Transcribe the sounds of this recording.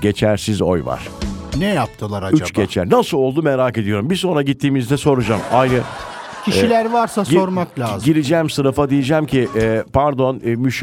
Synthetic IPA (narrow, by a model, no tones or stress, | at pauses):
ɟe̞t͡ʃʰæɾsizo̞̰jva̰ɾ̥nɛjap̚t̪ʰɯlˠaɾayt͡ʃɟ̥e̞t͡ʃʰæ̰ɾnasɯlˠo̞lˠd̪umeɾaːke̞d̪ijo̞ɾumbiɾso̞nɾaɟit̪ʰːiːmizd̪ɛso̞ɾud͡ʒaːmajɾɯ | cʰiʃilʲæɾvaɾsaso̞ɾmaklʲaːzɟiɾid͡ʒɛːmsɯnɯfad̪ijid͡ʒæːmcʰipʰaɾd̪o̞nmyʃ